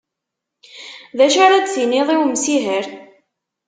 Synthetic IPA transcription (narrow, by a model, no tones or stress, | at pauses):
ðæʃaɾad̪t͡siniðˤiwmsiɦəɾ